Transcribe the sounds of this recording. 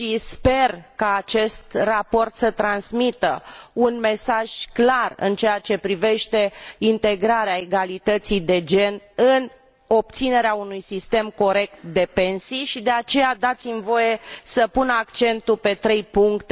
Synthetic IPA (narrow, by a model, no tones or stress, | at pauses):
ʃispe̞rkaːt͡ʃe̞st̪rapo̞rt̪sət̪ɾansmit̪ə̰unme̞saʒ̥klarɨ̰nt͡ʃeat͡ʃe̞pɾive̞ʃt̪e̞int̪e̞ɡɾaɾeae̞ɡalit̪ət̪sijd̪e̞d͡ʒe̞nɨn | o̞p̚t̪sine̞ɾeaunujsist̪e̞mko̞ɾe̞k̚t̪̚d̪e̞pe̞nsijʃid̪e̞at͡ʃe̞jad̪at̪simvo̞je̞səpunakt͡ʃe̞nt̪upe̞t̪ɾe̞jpuŋkt̪